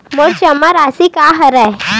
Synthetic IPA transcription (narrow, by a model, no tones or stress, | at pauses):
moɾt͡ʃɐmːəɾasikaɦɐɾa